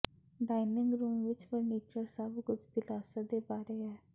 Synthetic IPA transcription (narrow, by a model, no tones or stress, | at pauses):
ɖaːinɪ̃ŋɡɾuːmʋɪt͡ʃpəɾneːt͡ʃəɾsəbkʊt͡ʃʰd̪ɪlaːsad̪eːbaːɾeːɦɛː